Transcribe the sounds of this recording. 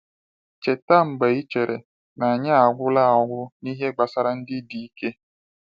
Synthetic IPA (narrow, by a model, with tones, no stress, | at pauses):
t͡ʃe˨ta˦m̩˨ɡ͡be˨i˦t͡ʃe˨ɾʔe˨ | na˨a˨ɲa˦a˨ɡʷʊ˦la˦a˨ɡʷʊ˦ni˦ɦe˦ɡ͡ba˨sa˦ɾa˦n̩˦dɪ˦di˨i˦ke˦